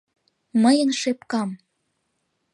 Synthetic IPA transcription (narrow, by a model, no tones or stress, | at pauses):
məjənʃepkɑm